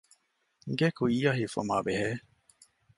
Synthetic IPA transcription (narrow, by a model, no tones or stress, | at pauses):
ɡekuiːaɦiːfɐ̰maːbeɦeː